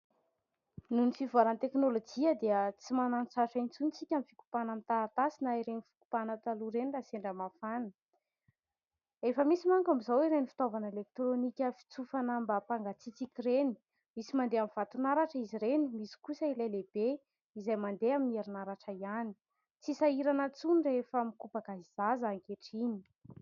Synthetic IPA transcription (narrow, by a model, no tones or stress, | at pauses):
nunifivaɾant̪eknolod͡ʒiəd̪eət͡simanant͡saʈ͡ʂaint͡sunt͡sikʲamifiku̥panamit̪at̪asinaiɾenifi̥ku̥panət̪aluɾenilaseɳɖ͡ʐəmafanə | efəmisimaŋkamizawiɾenifi̥t̪ovanəelek̚t̪ɾonikʲəfi̥t͡sufanambapaŋɡat͡sit͡sikʲireni̥ | misimand̪eamivat̪unaɾaʈ͡ʂəiziɾenimisi̥kusəilajleb̥e | izajmand̪eaminieɾunaɾaʈ͡ʂəiani̥ | t͡sisaiɾanət͡sunrefəmikupaɡazizazakeʈ͡ʂini̥